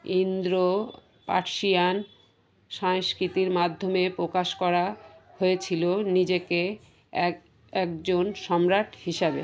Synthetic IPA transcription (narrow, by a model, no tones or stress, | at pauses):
ind̪ɾo | pa̰ɾʃian | ʃaŋskɾit̪iɾmad̪ʱːomepɾokaʃkɔɾahoet͡ɕʰilonid͡ʑeke | ɛkd͡ʑonʃɔmɾaʈʰhiʃabḛ